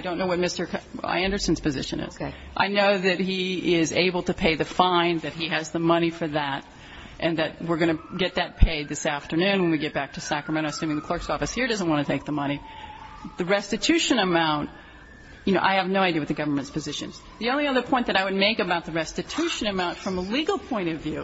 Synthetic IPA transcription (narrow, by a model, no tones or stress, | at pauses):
aɪdõʊ̃nːoʊwʌt̚mɪstə˞ka̰ɪɛ̃ndə˞sɨ̃n̩z̥pʰɨzɪ̰ʃɨ̰̃nɪ̰z̥ | ʔa̰ɪnoʊðɨt̚iɪzḛɪbl̩ˠtɨpʰeɪðɨfãɪ̃nðɨt̚hiɨzðəmʌɾ̃ifə˞ðəɾ | ʔɨ̃nðɨt̚wɪɹɡʌñɨɡɛt̪̚ðɨt̚pʰeɪd̪̚ðɪsæftə˞nʉ̃nwə̃nwiɡɛt̚b̥æk̚tʰɨsækɹəmɛ̃ɾ̃oʊəsʉ̃mɪ̃ŋðɨkʰl̥ɜ˞ksɔfɨshiɹdʌzə̃nʔ̚wɑ̃ñɨtʰeɪk̚ðəmʌɾ̃i | ðɨɹɛstɨtʰʉʃɨ̃nəmãʊ̃nt | jɨnoʊʔa̰ɪɨvnoʊaɪdiɨwɨðɨɡʌvə˞mɨ̃ntspʰɨzɪʃɨ̰̃nz | ðiõʊ̃nliʌðə˞pʰɔ̃ɪ̃nðɨɾaɪwɨd̚meɪkɨbaʊt̪̚ðɨɹɛstɨtʰʉʃɨ̃nɨmãʊ̃ntfɹʌ̃məliɡl̩ˠpʰɔ̃ɪ̃ɾ̃ʌvjʉ